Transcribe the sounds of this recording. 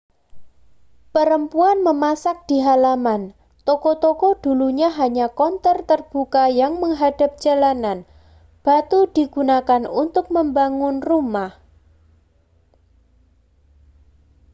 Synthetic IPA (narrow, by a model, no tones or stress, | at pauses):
pəɾəmpuanməmasak̚d̥iɦalaman | t̪okɔt̪okɔd̥uluɲaɦaɲakɔnt̪ərt̪ərb̥ukajaŋməŋɦada̤p̚d̥d͡ʒ̥alanan | b̥at̪ud̥iɡ̥unakanunt̪ʊk̚məmbaŋʊnrumah